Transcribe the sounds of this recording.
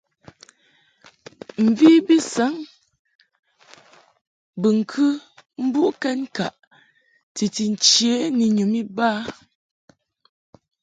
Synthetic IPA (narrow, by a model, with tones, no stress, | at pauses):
m̩˨vi˦bi˦sa˨˦ŋ | bə˨ŋ̩˨kʰɨ˦m̩˦bu˦ʔkɛ˦nka˨ʔ | ti˨ti˨n̩˨t͡ʃje˨˦ni˨ɲo˨mi˦ba˦